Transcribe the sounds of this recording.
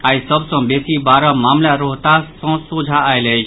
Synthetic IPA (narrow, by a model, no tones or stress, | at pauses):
aisʌbsɔ̃besibaɾɔmamlaɾoɦt̪asɔ̃sud͡zʱaːjlejt͡ʃʰ